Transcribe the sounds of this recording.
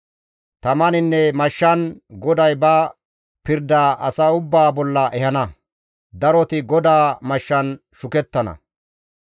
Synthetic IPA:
t̪ɐmɐnɪnːɛmɐʃːɐnɡɔd̪ɐjbɐ | pɪɾd̪aːʔɐsɐʊbːaːbɔlːɐʔɛhɐnɐ | d̪ɐɾɔt̪ɪɡɔd̪aːmɐʃːɐn | ʃʊkɛt̪ːɐnɐ̰

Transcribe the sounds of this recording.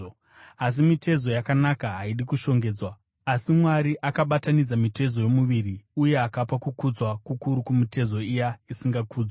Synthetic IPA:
as̬imitʰe̞zo̞jakanakaɦaiɗikuʃo̞ŋɡe̞ːd͡zwa | asimwaɾiʔakaɓatanid͡zamitʰe̞zo̞jo̞muʋiriuje̞akapakukud͡zwakukuɾukumite̞zo̞ijaisiŋɡakuːd͡zwa

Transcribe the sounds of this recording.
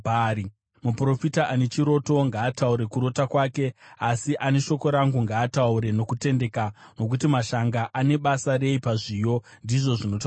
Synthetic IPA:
ɾi | mupro̞fitaʔane̞t͡ʃiɾo̞to̞ŋɡaːtauɾe̞kuɾo̞takwaːke̞asiʔane̞ʃo̞ko̞ɾaŋɡuŋɡaːtauɾe̞no̞kute̞nde̞kano̞k̬ut̬imaʃaŋɡaʔane̞ɓasare̞ipaʐijo̞ndiʐo̞ʐino̞ta

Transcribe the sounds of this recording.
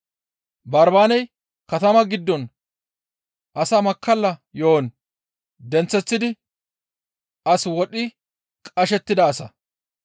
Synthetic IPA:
bɐɾbaːnɛj | kɐt̪ɐmɐɡɪd̪ːɔn | ʔɐsɐmɐkːɐlːɐjoːn | d̪ɛnt͡sːɛt͡sːɪd̪ɪ | ɐswɔɗɪ | kʼɐʃɛt̪ːɪd̪ɐːsɐ

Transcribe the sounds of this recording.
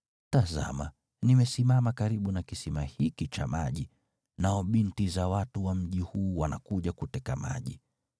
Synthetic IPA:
taza̰ma | nimɛsimamakaɾiɓunakisimahikit͡ʃa̰maʄi | naɔɓintizawatuwam̩ʄihuːwana̰kuʄakutɛkama̰ʄḭ

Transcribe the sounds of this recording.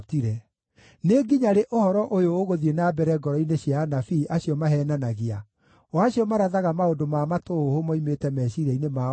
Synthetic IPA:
tiɾɛ | neɡiɲaɾeʔohɔɾɔʔojoːɣoðienabɛɾɛɡɔɾɔineɕiaːnafiːʔaɕiɔmaɦɛːnanaɣia | waɕiɔmaɾaðaɣamaodomamatoohomɔimetɛmɛɕiɾɛinema

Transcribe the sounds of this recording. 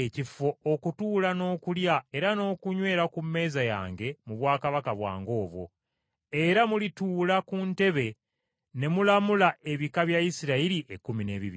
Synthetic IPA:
ecifo̞okutuːlano̞ːkuljae̞ɾano̞ːkuɲwe̞ːɾakumːe̞ːzaja̰ːŋɡe̞muβwaːkaβakaβwa̰ːŋɡo̞ːβwo̞̰ | e̞ɾamulituːlakunte̞βe̞ | ne̞mulamulae̞βikaβjaisiɾailiʔekːumine̞ːβḭβḭi

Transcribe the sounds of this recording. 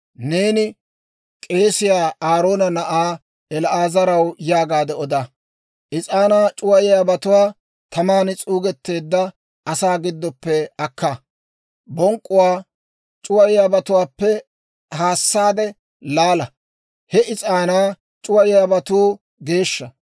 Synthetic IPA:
ne̞ːnɪ | kʼe̞ːsɪjaːaːɾo̞ːnɐnɐʔaː | ɛlaːzɐɾɐwjaːɡaːd̪ɛɔd̪a | ʔɪt͡sʼaːnaːt͡ʃʼʊwɐjɪjaːbɐt̪ʊwaː | t̪ɐmaːnɪt͡sʼuːɡɛt̪ːe̞ːd̪ːɐ | ɐsaːɡɪd̪ːɔpːɛɐkʰːa | bɔŋkʼːʊwaː | t͡ʃʼʊwɐjɪjaːbɐt̪ʊwaːpːɛ | haːsːaːd̪ɛ | laːlɐ | hɛɪt͡sʼaːnaː | t͡ʃʼʊwɐjɪjaːbɐt̪uː | ɡe̞ːʃːɐ

